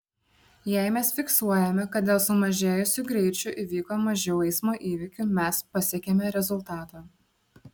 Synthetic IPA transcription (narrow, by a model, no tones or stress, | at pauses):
jɛˑɪmʲɛsfʲɪksuɔjɛmʲɛkɐt̪̚d̪ʲeːlˠsʊmɐʒʲeːjʊsʲʊɡɾʲɛɪt͡ʃʲʊʔɪʋʲiːkoːmɐʒʲɛʊɛɪsmoːʔiːʋʲɪkʲʊmʲɛspɐsʲeɛkʲemʲɛɾʲɛzʊlˠt̪ɑːt̪ɑː